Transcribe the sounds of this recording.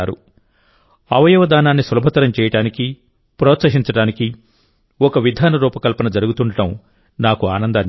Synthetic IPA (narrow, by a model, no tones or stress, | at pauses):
aːɾṵ | ɐʋɐjɐʋɐd̪aːnaːnːisɐlɐbʱɐt̪ɐɾɐmt͡ʃɛːjɐʈaːniki | pɾɔːt̪sɐɦiɲt͡ʃɐɽaːniki | ɔkɐʋid̪ʱaːnɐɾuːpɐkɐlpɐnɐd͡ʒɐɾuɡut̪uɳɖɐʈɐm | naːkuaːnɐnd̪aːn